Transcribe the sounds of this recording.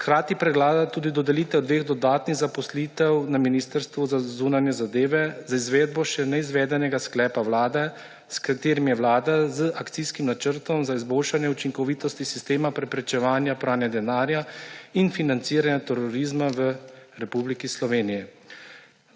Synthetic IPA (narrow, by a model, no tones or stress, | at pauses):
kɾaːt̪ipɾɛɡlaːd̪at̪uːd̪id̪ɔd̪ɛliːt̪ɛɔd̪ʋeːɣd̪ɔd̪aːt̪niɣzapɔsliːt̪ɛwnaminiːst̪əɾst̪ʋuzazuːnanjɛzad̪eːʋɛzaizʋeːd̪̚bɔʃɛnɛizʋɛːd̪ɛnɛɡasklɛːpaʋlaːd̪ɛ | skat̪eːɾimjɛʋlaːd̪azəʔakt̪siskimnat͡ʃəɾt̪ɔmzaizboːlʃanjɛut͡ʃiŋkɔʋiːt̪ɔst̪isist̪eːmapɾɛpɾɛt͡ʃɛʋaːnjapɾaːnɛd̪ɛnaːɾjainfinant̪siːɾanjat̪ɛɾɔɾiːzmaʋəɾɛpublikislɔʋeːnijɛ